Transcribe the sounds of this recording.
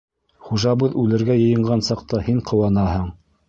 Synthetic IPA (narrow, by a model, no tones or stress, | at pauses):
χuʒɑβɤðʉlɘ̆ɾɡæjɤ̆jɤ̆ɴɢɑnsɑqt̪ɑhiɴqʰŏwɑnɑhɤɴ